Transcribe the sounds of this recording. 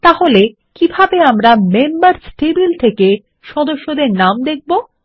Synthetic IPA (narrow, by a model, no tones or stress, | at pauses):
t̪aɦole | kibʱabeamɾamembaɾsʈebilt̪ʰeke | ʃɔd̪oʃːod̪eɾnamd̪ek̚ʰbo